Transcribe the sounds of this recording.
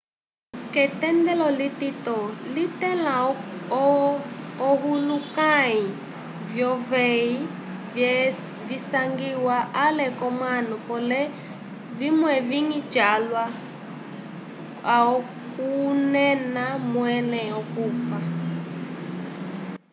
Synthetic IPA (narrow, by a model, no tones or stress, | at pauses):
kɛtɛndɛlɔlititɔlitɛla | ɦulukai | vjɔvɛi | visaŋɡiwaʔalɛkɔmwanupɔlɛ | vimwɛviŋit͡ʃalwa | aɔ | kunɛnamwɛnɛɔkufa